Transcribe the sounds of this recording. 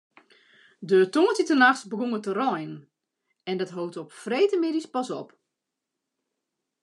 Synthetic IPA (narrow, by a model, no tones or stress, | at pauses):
dətoŋətitənaxsbəɡuŋətərɔjn | ɛndɔtɦowtɔpfreːtəmɪdispɔsɔp